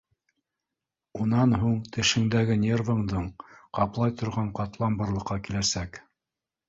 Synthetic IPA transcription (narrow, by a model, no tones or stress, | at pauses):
unɑnɦuɴt̪ɘ̆ʃɘ̆ŋd̪æɡɘnʲe̞rvɤ̆ɴd̪ɤɴqɑplˠɑjt̪ŏɾʁɑɴqɑt̪lˠɑmbɤ̆ɾlˠɤ̆qːɑkilæsæk